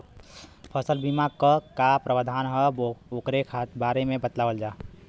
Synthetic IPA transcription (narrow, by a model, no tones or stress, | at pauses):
pʰəsəlbimaɡ̚kəkapɾəʋəd̪ʱaːnɦəookɾekʰaːt̪baːɾemẽbət̪laːʋəld͡ʒaː